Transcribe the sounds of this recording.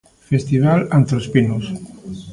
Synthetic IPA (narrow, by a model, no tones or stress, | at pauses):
fest̪iβ̞alant̪ɾospinos